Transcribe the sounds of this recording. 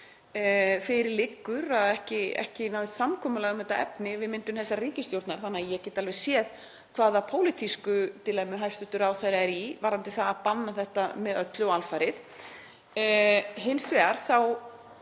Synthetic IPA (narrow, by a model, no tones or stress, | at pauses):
fɪɾɪɾlɪkːʏɾaðɛhcɪɛ̰hcɪnawɪst̪samkʰɔːmʏlɛɣʏmɛt̪ːaɛ̰pnɪvɪðmɪnt̪ʏmθɛsːariːcɪst̪jowɾt̪naɾ̥θanːajɛɣcɛːt̪alvɛ̥sjɛːð | kʰv̥aːðapʰoːwlit̪ʰiskʏt̪ɪlɛmʏɦajst̪ʏht̪ʏɾawθaɾaɛɾivaɾant̪ɪθaðapanːaθɛht̪amɛðœt̪lʏɔalfajɾɪθ | ɦɪnsvɛaɾ̥θaw